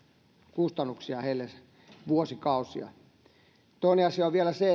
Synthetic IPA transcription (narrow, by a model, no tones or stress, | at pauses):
kust̪ɑnːuksiɑheilːes | ʋuosikɑusiɑ̰ | t̪oˑineɑsiɑoʋʋielæse